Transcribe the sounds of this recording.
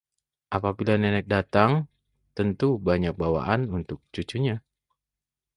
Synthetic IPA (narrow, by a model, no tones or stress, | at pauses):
ʔapabilanɛnɛk̚dat̪aŋ | t̪ənt̪ubaɲak̚bawa̰ʔanunt̪ʊk̚t͡ʃut͡ʃuɲa